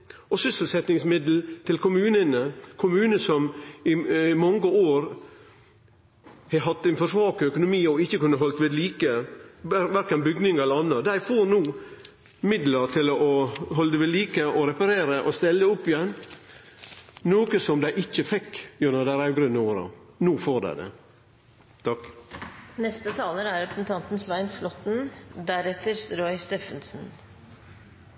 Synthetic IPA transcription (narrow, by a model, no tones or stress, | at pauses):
ɔsʏsəl̩sɛt̪nɪŋsmɪd̪l̩t̪ʰɪlkʰʊmʉːnənəkʰʊmʉːnəsɔmɪmɑŋɡəoːɾ | hɛɦɑt̪ːænfɔʂʋɑːkɔœkʊnʊmiːɔɪçːəkʉnːəɦɔlt̪ʋeːd̪liːkə | ʋæɾkənbʏɡnɪŋɛləɑnːəd̪æɪfoɾnuː | mɪd̪ləɾt̪ʰɪlɔʔɔɦɔləd̪əʋeːd̪liːkəʔɔɾɛpɑɾeːɾəʔɔst̪ɛlːəʊpːɪjɛn | noːkəsɔmd̪æɪʔɪt͡ʃːəfɛkːjʉnəd̪æɾɑʉɡɾʉnːəuːɾɑ̰nuːfoɾd̪æ̰ɪd̪ɛ̰ | t̪ʰɑk | nɛst̪ət̪ʰɑːləɾæɾɛpɾsn̩t̪ʰɑnt̪n̩sʋæɪnflɔt̪n̩d̪æɾɛt̪əɾst̪ɾɔʏst̪eːfənsn̩